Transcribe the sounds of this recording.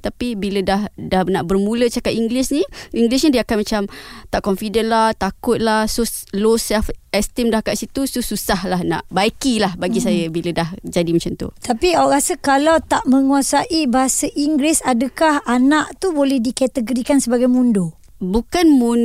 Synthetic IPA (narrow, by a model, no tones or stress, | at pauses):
t̪apibilədahdahnaʔbərmũlət͡ʃakapiŋɡlisnĩʔiŋɡlisnĩdiəkanmat͡ʃamt̪aʔkɔnfidənlaht̪akʊt̪̚lahsulosɛfɛst̪imdahkaʔsit̪usususahlahna̰ʔbaikilahbaɡisajəbilədahd͡ʒadimat͡ʃamt̪ṵt̪apiaʔɾasəkalawt̪aʔmə̃ŋuasaʔibaɦasəʔiŋɡɾisadəkahanaʔt̪ubolɛhdikɛt̪əɡoɾikansəbaɡajmũndo | bukanmun